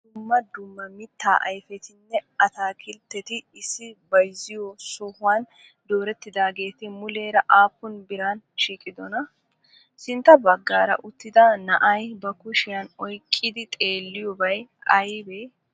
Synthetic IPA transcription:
d̪̥ʊmːɐd̪ʊmːɐmɪt̪ːa̰ːʔɐjfɛt̪ɪnːɛɐt̪aːkʰɪlt̪ːɛt̪ɪɪsːɪbɐjzɪjɔsɔhʊwan | d̪o̞ːɾɛt̪ːɪd̪aːɡe̞ːt̪ɪmʊle̞ːɾɐʔaːpːʊnbɪɾan | ʃiːkʼɪd̪ɔnɐ | sɪnt̪ːɐbɐɡːaːɾɐ̰ʔʊt̪ːɪd̪ɐnɐʔɐjbɐkʊʃɪjɐnɔjkʼːɪd̪ɪt̪ʼe̞ːlːɪjɔbɐjɐjbeː

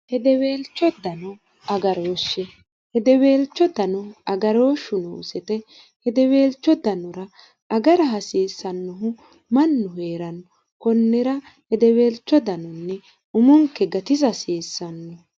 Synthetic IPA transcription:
hɛd̪ɛwe̞ːlt͡ʃːɔd̪ɐnɔ | ɐɡɐɾoːʃːɛ | hɛd̪ɛweːlt͡ʃːɔd̪ɐnɔɐɡɐɾo̞ːʃːʊnoːsɛt̪ɛ | hɛd̪ɛwe̞ːlt͡ʃːɔd̪ɐnɔɾɐ | ɐɡɐɾɐɦɐsiːsːɐnːɔɦʊ | mɐnːʊɦeːɾɐnɔ | kɔnːɛɾɐ | hɛd̪ɛwe̞ːlt͡ʃːɔd̪ɐnɔnːɛ | ʊmɔŋkːɛɡɐt̪ɪzɐsiːsːɐnːɔ

